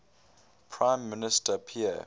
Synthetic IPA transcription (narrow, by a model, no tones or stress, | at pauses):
pʰɹãɪ̃mːɪnɪstʰəpʰiɛ̰